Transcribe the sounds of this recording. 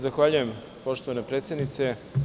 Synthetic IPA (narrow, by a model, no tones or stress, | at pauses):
zaxʋaʎujem | po̞ʃt̪oanepɾeːt̪sʲed̪nit̪se